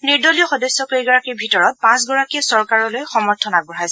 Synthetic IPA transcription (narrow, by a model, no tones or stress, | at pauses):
niɹdɔlijɔxɔdɔjsːɔkejɡɔɹakiɹbʱitɔɹɔt̚pãs̬ɡɔɹakiɛsɔɹkaɹɔlojxɔmɔɹtʰɔnabɔɹɦajsɛ